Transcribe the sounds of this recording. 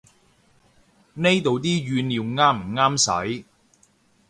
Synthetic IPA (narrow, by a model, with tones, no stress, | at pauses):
ne˥jt̪o˨wt̪̬iː˥ɥyː˨˧nliː˨˧wŋaː˥m̩˨˩ŋaː˥msɐ̰˨˥j